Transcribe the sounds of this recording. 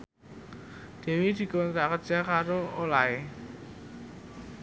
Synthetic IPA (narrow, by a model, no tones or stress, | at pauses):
d̪̥e̤wid̪̥i̤kɔnt̪ɾakərʒ̥a̤kaɾoolae